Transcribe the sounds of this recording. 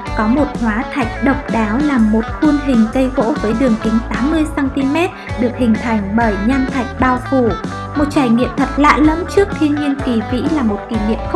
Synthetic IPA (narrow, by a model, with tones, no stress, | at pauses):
kɔ˨˦mo˨˩t̚hwaː˨˦t̪ʰa˨˩jk̟̚ɗə˨˩wk͡p̚ɗaː˨˦wlaː˨˩mːo˨˩t̚xu˧nlï˨˩ŋ̟kə˧jɣo̰˧˥vəː˨˦jɗɨ˨˩əŋki˨˦ŋt̪aː˨˦mːɨ˧əjsaː˧nt̪i˧mɛ˦˥t̚ɗɨ˨˩ək̚hï˨˩ŋ̟t̪ʰa˨˧˩jŋ̟ɓəː˧˩jɲa˧nt̪ʰa˨˩jk̟̚ɓaː˧wfu˧˩ | mo˨˩t̚t͡ɕaː˧˩jŋḭ˧˨əmt̪ʰə˨˩t̚la̰ː˧˨lə˨˦mt͡ɕɨ˦˥ək̚t̪ʰi˧ənɲi˧ənki˨˩vḭ˧˥laː˨˩mo˨˩t̚ki˧˩ŋḭ˧˨əm˦˥